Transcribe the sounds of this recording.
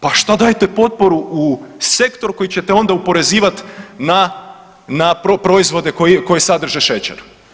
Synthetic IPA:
paʃt̪ad̪ajet̪epo̞t̪̚po̞ɾuuse̞kt̪o̞ɾko̞jit͡ɕet̪eo̞nd̪aupo̞ɾe̞ziːʋat̪na | napopɾo̞izʋo̞d̪ekoiko̞jesad̪r̩ʒeʃet͡ɕḛɾu

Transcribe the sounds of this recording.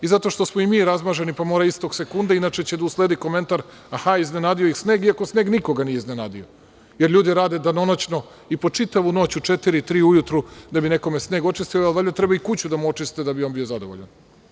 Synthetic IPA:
izat̪o̞ʃt̪o̞smoimiːɾazmaʒe̞nipamo̞ːɾaist̪o̞ɡse̞kund̪ainaːt͡ʃe̞t͡ɕed̪ausled̪ikome̞nt̪aɾ | axaiznenaːd̪ijojixsneːɡiako̞sne̞ːɡnikoɡanijeiznenaːd̪ḭo | jeɾʎʲuːd̪iɾaːd̪e̞d̪ano̞not͡ɕno̞ | ipo̞t͡ʂit̪aʋuno̞ːt͡ɕut͡ʂet̪iɾit̪ɾiːujut̪ɾud̪abine̞ko̞mesne̞ːɡo̞t͡ʂist̪ijoalʋaʎʲat̪ɾebaikut͡ɕud̪amuo̞t͡ʃist̪ed̪abionbijo̞zad̪oʋo̰ʎa̰n

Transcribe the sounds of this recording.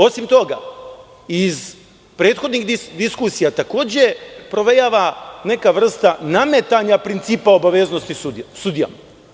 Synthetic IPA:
o̞simt̪o̞ɡa̰ | iz | pɾe̞ːt̪xo̞d̪niɣid̪iskusijat̪ako̞ːd͡ʑe̞pɾo̞ʋe̞jaːʋane̞kaʋr̩st̪anamet̪aɲapɾint̪siːpao̞baʋezno̞st̪iusud̪ija̰ma

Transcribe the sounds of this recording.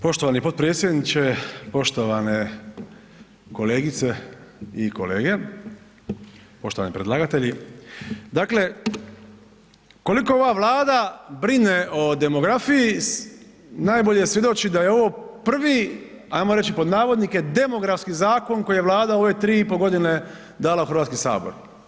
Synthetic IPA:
po̞ʃt̪oʋanipo̞t̪̚pɾeːt̪sje̞d̪nit͡ʃe̞po̞ʃt̪o̞ʋane | ko̞leːɡit̪seiko̞̰leːɡe̞ | po̞ʃt̪o̞ʋa̰nipɾed̪lˠaːɡat̪eʎi | d̪aːkle̞ | ko̞liko̞oʋaʋlˠaːd̪abɾineʔod̪e̞mo̞ɡɾafiji | naːjboʎejesʋje̞d̪o̞t͡ʃid̪ajeo̞ʋo̞pr̩ʋi | ajmoɾe̞t͡ʃipo̞d̪naːʋo̞d̪nike̞d̪e̞mo̞ɡɾafskizaːko̞nkojijeʋlˠaːd̪ao̞ʋe̞t̪ɾiːipoɡo̞d̪ine̞ | d̪aːlauxɾr̩ʋat̪skisa̰ːboɾ

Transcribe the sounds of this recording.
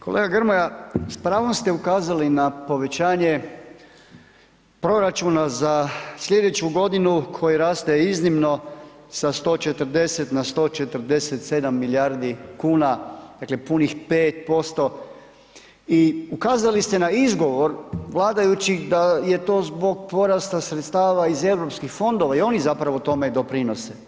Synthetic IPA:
ko̞lʔeːɡaɡrɾmojaspɾaːʋo̞mst̪e̞ukaːzalinapo̞ʋe̞t͡ɕaːɲe̞ | pɾo̞ɾat͡ʃunazaslʎʲe̞d̪et͡ɕuɡo̞d̪inukʰo̞jiɾaːst̪eiznimno̞sast̪o̞ːt͡ʃe̞t̪ər̩d̪e̞se̞t̪nast̪o̞ːt͡ʃe̞t̪əɾd̪e̞set̪se̞d̪amːiljaɾd̪ikuːnad̪akle̞punixpeːt̪̚po̞st̪o̞ | iukaːzalist̪e̞naizɡo̞ʋo̞ɾʋlˠaːd̪ajut͡ɕid̪aje̞t̪o̞ːzbo̞ɡ̚po̞ɾast̪asɾet̪st̪aːʋaize̞ʋɾo̞pskixfo̞nd̪o̞ʋaio̞nizapɾaʋot̪o̞med̪o̞pɾino̞se

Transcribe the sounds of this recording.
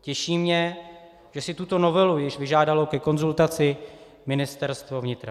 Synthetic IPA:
cɛʃiːmɲɛ | ʒ̥ɛsɪt̪ut̪o̞no̞vɛlujɪʃvɪʒaːdalo̞kɛko̞nzult̪at͡sɪ | mɪnɪst̪ɛɾst̪vo̞vɲɪt̪ɾa

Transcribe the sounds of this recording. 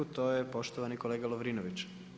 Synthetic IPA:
ut̪oːjepo̞ʃt̪oʋanikoleːɡaloʋɾinoʋit͡ɕ

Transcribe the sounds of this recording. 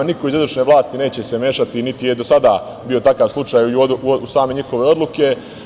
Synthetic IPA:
niko̞izod̪ɾuʃneʋlˠaːst̪ine̞ːt͡ɕe̞se̞me̞ːʃat̪init̪ijed̪o̞sad̪a | bio̞t̪akaːʋslˠut͡ʃaːjusaːme̞ɲixo̞ʋe̞o̞d̪luke̞

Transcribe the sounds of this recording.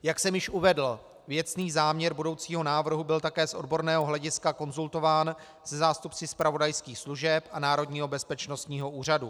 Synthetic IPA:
jaksɛmjɪʃʔuvɛdl̩ | vjɛt͡sniːzaːmɲɛɾbudo̞wt͡siːɦo̞naːvr̩ɦubɪlt̪akɛːsʔo̞dbo̞ɾnɛːɦo̞ɦlɛɟɪskako̞nzult̪o̞vaːn | sɛzaːst̪upt͡sɪspɾavo̞dajskiːxsluʒɛpʔanaːɾo̞dɲiːɦo̞bɛspɛt͡ʃno̞st̪ɲiːɦoʔuːr̝adu

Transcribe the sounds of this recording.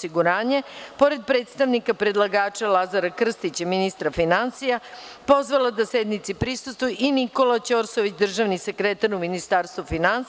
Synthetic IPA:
siɡuɾaːɲepo̞ɾe̞d̪̚pɾe̞ːt̪st̪aʋnikapɾe̞d̪lˠaɡaːt͡ʃalˠazaɾakr̩st̪it͡ɕaminist̪ɾafinansija | po̞zʋalad̪ased̪nit̪sipɾisust̪ʋujuʔiniko̞lat͡ɕo̞ːɾsoʋit͡ɕd̪r̩ʒaʋnise̞kɾet̪aɾuminist̪aːɾst̪ʋufinans

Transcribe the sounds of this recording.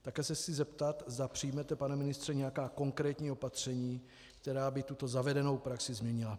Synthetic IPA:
t̪akɛːsɛsɪzɛpt̪at̪zd̪apr̥ɪjmɛt̪ɛpanɛmɪnɪst̪r̥ɛɲɛjakaːko̞ŋkɾɛːt̪ɲiːo̞pat̪r̝̥ɛɲiː | kt̪ɛɾaːbɪt̪ut̪o̞zavɛdɛno̞wpɾaksɪzmɲɛɲɪla

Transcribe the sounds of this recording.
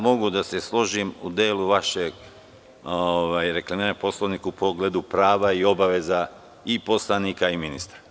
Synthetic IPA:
mo̞ɡud̪ase̞slo̞ʒimṵd̪eːluʋaʃeɡ | oʋajɾeklamiːɾanpo̞sloʋnikupʰo̞ɡled̪upɾaːʋaio̞baʋe̞za | ipo̞slˠaniːkaiminist̪ɾa

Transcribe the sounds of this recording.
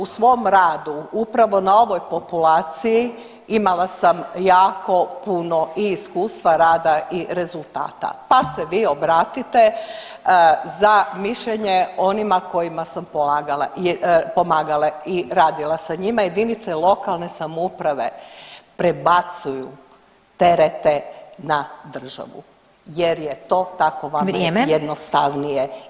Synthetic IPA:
usʋo̞mɾaːd̪uupɾaʋo̞nao̞ʋo̞jpo̞pulaːt̪siji | imalasamjaːko̞puno̞ʔiːskuːst̪ʋaɾaːd̪aiɾe̞zulˠt̪a̰ːt̪a̰paseʋiːo̞bɾaːt̪it̪e̞ | zamiʃʎeɲeo̞nimako̞jimasampolaɡalapo̞maːɡalˠaiɾaːd̪ilˠasaɲimajed̪init̪selo̞kalˠne̞samoupɾaʋe̞̰pɾebat̪suju | t̪e̞ɾet̪e̞nad̪r̩ʒa̰ʋṵ | je̞ɾje̞t̪o̞ːt̪ako̞ʋaɾeemjed̪nost̪aʋnije

